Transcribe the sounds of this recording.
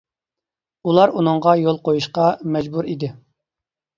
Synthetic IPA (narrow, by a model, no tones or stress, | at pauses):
ulˠɑɾunɨɴʁɑjolˠqojuʃqɑmɛd͡ʒbuɾid̪ɪ